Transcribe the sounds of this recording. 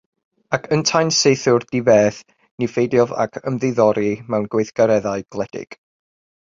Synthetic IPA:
akʰəntʰajnsejθʊrd̥ivɛːθ | nifejdjɔva̰kʰəmðɪðɔɾimɛwnɡwejθɡ̥aɾɛðaɨɡ̥lˠɛd̥ɪ̰ɡ̥

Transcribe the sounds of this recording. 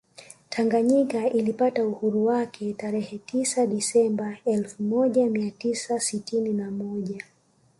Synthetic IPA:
tʰaŋɡaɲikailipatauhuɾuwakʰɛtaɾɛhɛtisaɗisɛmbaɛlfumɔʄamiatisasitininamɔʄa

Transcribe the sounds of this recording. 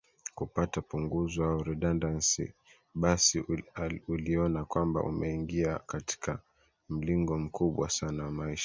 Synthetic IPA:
kupatapuŋɡuzwaaɔɾɛɗandansḭ | ɓasi | uliɔnakwamba̰ʔṵmɛiŋɡiakati̥kʰa | m̩liŋɡɔm̩kʰuɓwa̰sanawamaiʃḁ

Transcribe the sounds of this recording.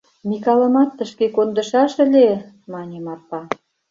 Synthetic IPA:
mʲikɑlə̆mɑt̪ːə̆ʃkekond̪ə̆ʃɑʃə̆lʲe | mɑnʲemɑrpɑ

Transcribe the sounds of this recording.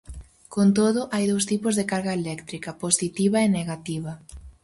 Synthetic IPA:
kont̪̬oðʊʔajðows̬t̪ipʊzðekaɾɣaelɛkt̪ɾikɐposit̪iβɐeneɣat̪iβɐ

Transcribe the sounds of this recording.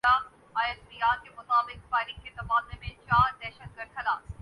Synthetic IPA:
a | aːjət̪ɾijaːkemʊt̪aːbɪk̚paːɪlɪ̃ŋket̪ɐbaːd̪lemẽt͡ʃaːɾd̪ɛːʃət̪̚ɡɐɾd̪̚kɐlaː

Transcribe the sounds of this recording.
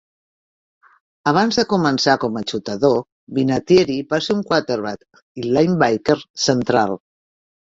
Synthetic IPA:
əβ̞anzðəkumənsakɔmət͡ʃut̪əðo | βinat̪jeɾiβaseuŋkwat̪eɾβat̪ | ilajmbajkeɾsənt̪ɾa̰lˠ

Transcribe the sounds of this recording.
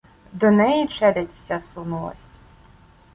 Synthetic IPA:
d̪ɔnɛjit͡ʃɛd̪ɛtʲwsʲasunulˠɐ̰sʲ

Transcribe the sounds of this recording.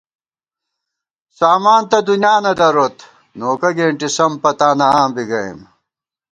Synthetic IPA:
saːmaːnt̪ɐd̪unjaːnɐd̪ɐɾot̪ | noːkɐɡeːɳʈisɐmpɐt̪aːnɐaːmbiɡɐḭm

